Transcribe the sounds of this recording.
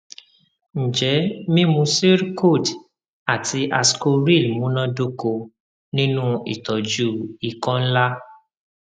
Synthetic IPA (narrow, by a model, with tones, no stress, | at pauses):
ñ̩˨d͡ʒɛ˨˦mĩ˦mũ˧˦se˦ɾko˦˨d | a˨tʰi˧ʔa˧sko˧ɾi˦˨lmũ˨˦nã˦do˦ko˧ | nĩ˦nũ˦ḭ˨tɔ˨d͡ʒu˦i˨kɔ̃˦n̩˦la˦